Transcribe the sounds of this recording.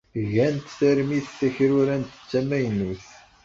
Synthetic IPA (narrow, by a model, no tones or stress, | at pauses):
ʝænt̪θæɾmiθθæçɾʊɾænt̪ə̥t͡sːæmæjnuθ